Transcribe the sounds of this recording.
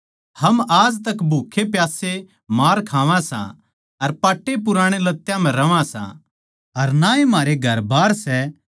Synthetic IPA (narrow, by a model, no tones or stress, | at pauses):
hɐmaːd͡ʒt̪ɐkbʱuːkʰːepjaːse | maːɾkʰaːʋãsã̰ | ɐɾpaːʈːep̬ʊɾãːɽ̃elɐt̪ːjãm̤ɛ̃ɾɐʋãsã̰ | ɐɾnãːĩm̤aːɾeɡʱɐɾbaːɾsɛ